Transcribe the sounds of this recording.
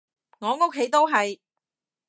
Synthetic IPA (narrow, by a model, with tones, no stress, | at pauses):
ŋɔː˨˧ŋo˥kʰːe˨˧˥jt̪o˥wɦɐ˨j